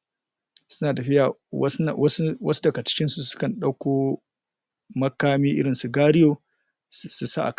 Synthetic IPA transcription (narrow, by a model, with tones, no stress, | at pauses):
sʊ˦naː˨ta˨ɸɪ˦ja˨wɐ˦swɐ˦swɐ̰˦su˦dɐ˨ɡa˨t͡ʃɪ̥˦kʲɪ˦nsu˨sʊ̥˦kɐ˨nɗa˦wkʷoː˦ | mɐ˦kaː˦miː˦ʔɪ̰˦ɽɪ˨nsu˨ɡaː˦ɽɪ˦joː˨ | su˨sa̰˦ʔa̰˨k